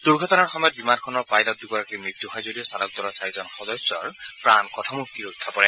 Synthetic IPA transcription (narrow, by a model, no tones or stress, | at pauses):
d̥uɹɡʱɔtɔnaɹxɔmɔjɔt̪̚bimankʰɔnɔɹpajlɔt̪̚d̪ukɔɹakojmɹit̪ːuɦɔjzodijɔsalɔk̚d̪ɔɹɔsaɹizɔnxɔdɔsɔɹpɹankɔtʰɔmuktiɹutʰːapɔɹɛ